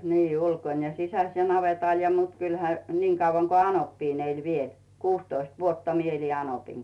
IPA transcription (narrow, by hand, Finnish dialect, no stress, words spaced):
niː ulkon jɑ sisæs jɑ nɑʋetɑˑl jɑ mut kylhæ niːŋ kɑuʋɑŋ ko ɑnopːiːn elʲ ʋiel kuːstoist ʋuotːɑ mie eli ɑnopiŋ